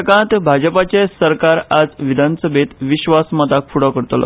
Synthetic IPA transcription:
əkãt̪bʱad͡ʑəpat͡ɕesəɾkaɾad͡zʋid̪ʱansəbʱet̪ʋiɕʋasmat̪akfuɽɔkəɾt̪lɔ̰

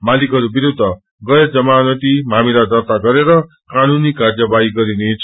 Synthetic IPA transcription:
malikɦʌɾubiɾud̪ʱːʌ | ɡʌjʌd͡zʌmanʌt̪imamilad̪ʌrt̪aɡʌɾeɾʌ | kanunikard͡zʌbaiɡʌɾinet͡sʰ

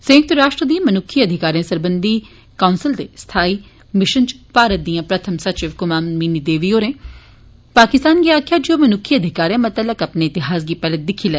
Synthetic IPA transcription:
sə̃k̚t̪ɾaːʃʈɾəd̪ĩãmənʊkʰːiəd̪ʱɪkaːɾijãːsəɾbənd̪iː | kaːʊnsɪld̪eːst̪ʰaːiː | mɪʃə̃nd͡ʒpaːɾət̪̚d̪ijãːpɾət̪ʰəmsɐt͡ʃɪʋkʊmaːmmiːnid̪eːʋioːɾẽː | paːkɪst̪aːnɡiaːkʰjaːd͡ʒioːmənʊkʰːiəd̪ʱɪkaːɾãːmət̪ələkɐpneɪt̪ɪɦaːs̬ɡiːpɛːlət̪̚d̪ɪkʰːilɛː

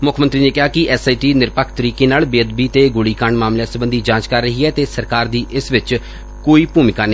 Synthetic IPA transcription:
mʊkʰmənt̪ɾiːneːkɪɦaːkɪʔɛːsaːiːʈiːnɪɾpəkʰt̪əɾiːkeːnaːlbɪəd̪biːt̪eːɡʊɽiːkaɳmaːmlɛːsəbənd̪iːd͡ʒãːt͡ʃkəɾːəɦiːɛːt̪eːsəɾkaːɾd̪iːʔɪsʋɪt͡ʃ | koːiːpuːmɪkaːnə

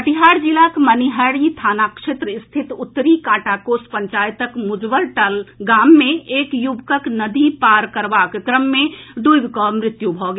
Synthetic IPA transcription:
əʈiɦaːɾd͡ʒilakməniɦəɾit̪ʰaːnakʂet̪ɾəɪst̪ʰɪt̪ʊt̪ːɾikãːʈakoːspəɲt͡ʃaːjt̪əkmʊd͡ʒbəlʈəlɡaːmːẽeːkjubkəknəd̪ipaːɾkəɾʋakkɾəmːẽd̪ujbkɔmɾɪt̪jubʱɔɡe

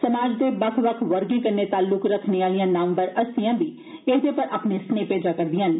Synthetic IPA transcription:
səmaːd͡ʒd̪eːbəkʰʋəkʰʋəɾɡĩkəɾneːt̪aːlːʊkɾəkʰneːaːlijãːnãːmbəɾəsijãːb̪iː | eɦd̪eːpəɾʔaːpneːsneːpeːd͡ʒaːkəɾd̪ɪjɦən

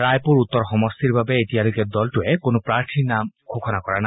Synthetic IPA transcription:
ajpuɹut̪ːɔɹxɔmɔst̪ʰiɹbabeetialojkɛd̪ɔltuɛkonopɹaɹt̪ʰinamkʰokʰɔnakɔɹana

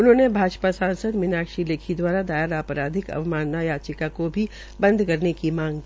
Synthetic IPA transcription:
ʊnɦõːnebʱaːd͡ʒpasãːnsəd̪mɪnaːkʃileːkʰid̪waːɾad̪aːjəɾaːpɾaːd̪ʱɪkɐ̰ʋmaːnːajaːt͡ʃɪkakobʱi | bɐ̃nd̪ʱkɐɾnekimãːŋɡkiː

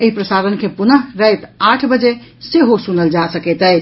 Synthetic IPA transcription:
eɦipɾəsaɾənkepunəɦɾəet̪aʈʰbəd͡ʒeseɦosunəld͡ʒasəkɛt̪əj

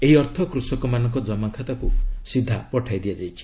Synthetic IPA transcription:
eɦiɔɾt̪ʰɔkɾusɔkɔmanɔŋkɔd͡ʒɔmakʰat̪akusid̪ʱːa̰pɔʈʰajd̪iad͡ʒajt͡ʃʰi̥

